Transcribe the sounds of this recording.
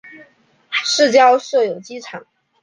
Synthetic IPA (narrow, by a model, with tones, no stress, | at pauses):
ʂɻ̩˥˩t͡ɕjɑ˥ʊʂɤ˥˩jo˨˩ʊt͡ɕi˥ʈ͡ʂʰɑ˨˩˦ŋ